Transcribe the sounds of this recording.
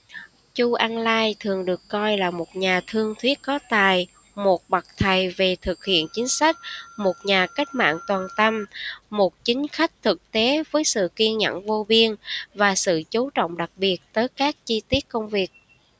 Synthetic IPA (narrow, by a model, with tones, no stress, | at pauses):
t͡ɕu˧ʔaː˧nlaː˧jt̪ʰɨ˨˩əŋɗɨ˨˩əkːɔ˧jlaː˨˩mo˨˩t̚ɲaː˨˩t̪ʰɨ˧əŋt̪ʰwi˦˥ət̚kɔ˨˦t̪aː˨˩j | mo˨˩t̚ɓa˨˩k̚t̪ʰə˨˩jve˨˩t̪ʰɨ˨˩k̚hḭ˧˨ənt͡ɕï˨˦ŋ̟sa˦˥k̟̚mo˨˩t̚ɲaː˨˩ka˦˥k̟̚ma̰ː˧˨nt̪waː˨˩nt̪ə˧mːo˨˩t̚t͡ɕï˨˦ŋ̟xa˦˥jk̟̚t̪ʰɨ˨˩k̚t̪e˨˦vəː˨˦jsɨ̰˧˨ki˧əŋɲə̰˧˨nvo˧vi˧ənvaː˨˩sɨ̰˧˨t͡ɕu˨˦t͡ɕɔ̰˧˨wŋ͡mɗa˨˩k̚ɓi˨˩ət̚t̪əː˨˦jkaː˦˥k̚t͡ɕi˧t̪i˦˥ət̚kə˧wŋ͡mvi˨˩ək̚